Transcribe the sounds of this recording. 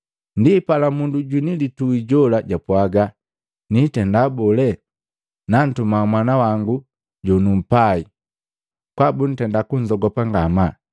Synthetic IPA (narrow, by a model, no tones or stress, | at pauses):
ndipalamunduɟwinilituiɟɔlaɟapwaɡa | nitɛndabɔlɛ | nan̩tumamwanawaŋɡu | ɟɔnum̩pai | kwabun̩tɛndakuɲd͡ʒɔɡɔpaŋɡama